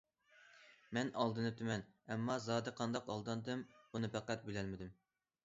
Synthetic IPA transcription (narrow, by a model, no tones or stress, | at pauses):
mɛnɑlˠd̪ɨnɨt̪ʰymɛnɛmːɑzɑːd̪ɨqʰɑnd̪ɑqɑlˠd̪ɑnd̪ɨmb̥unɨpæqæt̪̚belɛlmɪd̪ym